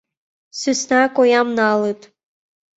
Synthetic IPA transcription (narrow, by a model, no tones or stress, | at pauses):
sysnɑkojɑmnɑlɯt̪